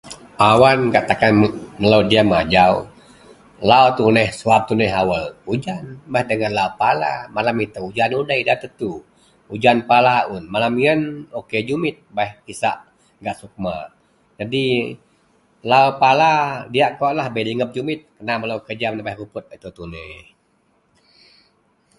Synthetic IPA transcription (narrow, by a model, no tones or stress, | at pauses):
awankaʔt̪akanməlawdiamad͡ʒaw | lawt̪unɛhsuap̚t̪unɛɦawəlud͡ʒanbahdəŋənlaupala̰malamit̪əud͡ʒanudəidat̪ət̪u | ud͡ʒanpalaunmalamiənoked͡ʒumɪt̪̚baɛhkisa̰ʔ | ɡaʔsuk̚ma̰ | d͡ʒadi | laopaladiaʔkɔʔlahbəliŋəp̚d͡ʒumɪt̪̚kənaməlawkəd͡ʒamnabajhkupʊt̪̚ət̪ət̪unɛh